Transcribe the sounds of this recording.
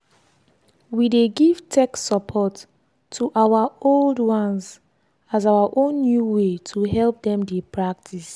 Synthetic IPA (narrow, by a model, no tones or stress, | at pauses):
wideɡiv̥tʰɛkssɔpʰɔtʰː | uʔawaoldwãns | azawaʔõnːjuwetʰuɦɛlp̚dɛ̃mdepʰɹak̚tʰis